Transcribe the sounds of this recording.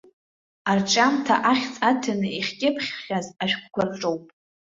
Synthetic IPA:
art͡ʃʼamtʰaʔaχʲt͡sʼatʰanɨiχʲkʲʼɪpʰχʲːazaʃᶣkʷʰkʷʰarʈ͡ʂʼowpʼ

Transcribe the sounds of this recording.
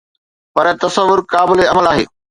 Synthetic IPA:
pɐɾt̪ɐsəʋːʊɾkaːbɪleɐməlaːɦḛː

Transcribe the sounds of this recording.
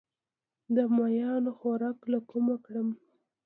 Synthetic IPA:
d̪əmajɑnoxoɾɑklakomakɽəm

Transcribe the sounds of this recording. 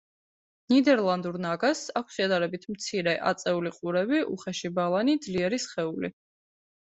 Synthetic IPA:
nid̪ɛɾlˠand̪uɾnaɡasakʷʰsʃɛd̪aɾɛbit̪ʰmt̪sʰiɾɛʔa̰t̪sʼɛuliqʼuɾɛbiṵχɛʃibalˠanid̪zliɛɾisχɛulḭ

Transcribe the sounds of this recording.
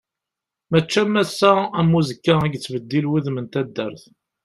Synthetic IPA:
mət͡ʃːæmːæsːææmːuzəkːaæɡt͡sːvəd̪ːilwiðmənt̪æd̪ːə̰ɾθ

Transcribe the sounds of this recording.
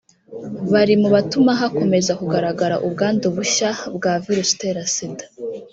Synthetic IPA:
βaɾimuβatumaɦako̞me̞zakuɡaɾaɡaɾa̰ʔubɡaːndoβuʃabɡaːviɾusteɾasidḁ

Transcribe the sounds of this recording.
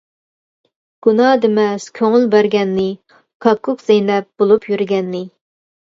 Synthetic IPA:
ɡ̥unɑd̪emɛskʲʰøŋylbæɾɡʲɛnːɪ | kʰɑkʰːʊkzejlɛp̚b̥olˠupʰjyɾɡʲɛnːɪ

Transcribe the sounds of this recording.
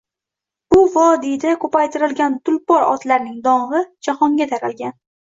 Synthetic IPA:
b̥ʊvɒd̪ejd̪akʰɵpajt̪ʰɪɾɪlɡʲant̪ʊlpɒɾɒ̰t̪laɾnɪŋd̪ɒɴʁɨd͡ʒahɒŋɡʲat̪ʰaɾalɡʲan

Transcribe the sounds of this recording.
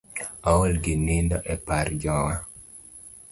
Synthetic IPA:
awolɡinindɔʔɛpaɾd͡ʒɔwa

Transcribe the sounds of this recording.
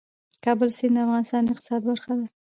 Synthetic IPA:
kɑbəlsind̪əafɣɑnɪst̪ɑnd̪əɪqt̪ɪ̥sɑd̪baɾxad̪a

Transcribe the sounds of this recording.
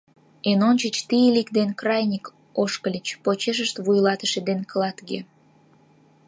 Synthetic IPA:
enonʲt͡ɕət͡ɕt̪ijlikd̪enkrɑjnʲik | oʃkəlʲət͡ɕpot͡ɕeʃ̬əʃt̪βujlɑt̪əʃed̪enkəlɑt̪ɡe

